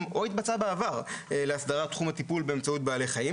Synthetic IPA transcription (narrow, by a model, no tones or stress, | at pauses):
mo̞it̪bat͡sabeavaʁeleasd̪aʁat̪ːχumhat̪ipulbe̞emt͡saut̪̚baːle̞jχaji